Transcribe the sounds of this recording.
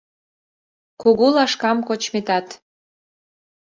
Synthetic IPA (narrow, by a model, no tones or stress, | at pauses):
koɣolɑʃkɑmkot͡ɕmet̪ɑt̪